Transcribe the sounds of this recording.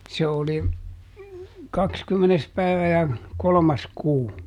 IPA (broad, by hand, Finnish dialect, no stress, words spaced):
se oli kɑkskymːenes pæiʋæ jɑ kolŏmɑs kuː